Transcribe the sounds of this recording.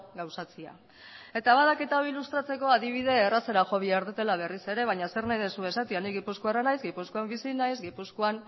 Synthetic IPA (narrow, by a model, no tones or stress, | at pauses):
ɡawsat͡sia̰ | e̞t̪aβað̞aket̪aoilust̪ɾat͡se̞ko̞aðiβ̞iðe̞ːraseɾaʝo̞βiaeɾðet̪e̞laβ̞e̞rise̞ɾe̞β̞ajɲase̞ɾnajðesue̞sat̪ianiɡipuskoaranajzɡipuskoambisinajzɡipuskoan